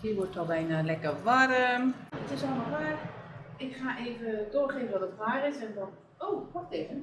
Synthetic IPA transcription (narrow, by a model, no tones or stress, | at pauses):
hiːʋɔɹtɔlˠbɛjnaːlɛkərʋarəmətɪsɔlˠəmalˠʋaːrɪkχaːʔeːvədoːɹχeːvənʋɔtətʋaːrɪsɛndɔn | oːkɔxtejvən